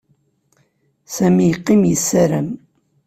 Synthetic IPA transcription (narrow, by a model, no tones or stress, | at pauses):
sæmijəqːimjəsːæɾəm